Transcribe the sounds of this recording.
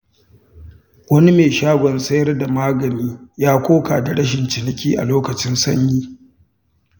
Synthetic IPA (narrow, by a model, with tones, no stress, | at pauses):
wɐ˦ni˦meː˨ʃaː˦ɡʷɔ˨nsɐ˦jɐ˦rda˨maː˦ɡɐ˨niː˦jaː˦kʷoː˦kaː˨da˨ɽɐ˦ʃ̬ɪ˨nt͡ʃɪ˨nɐ˨kʲiː˦ʔa̰˨loː˦kɐ˨t͡ʃɪ˦nsɐ̰˦ɲjiː˦